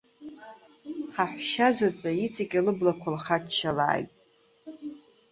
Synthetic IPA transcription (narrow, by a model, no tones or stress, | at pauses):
ħaħʷʃazat͡sʷʼait͡sʰakʲʼalɨblakʷʰalχatʃala̰ːjtʼ